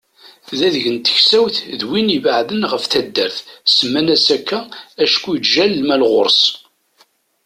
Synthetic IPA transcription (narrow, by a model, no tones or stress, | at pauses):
ðæðəʝənt̪ə̥çsæwθðwinivəʕðənʁəfθæd̪ːəɾθsəmːænæsækːææʃkːujʒælːmælʁʊɾˤs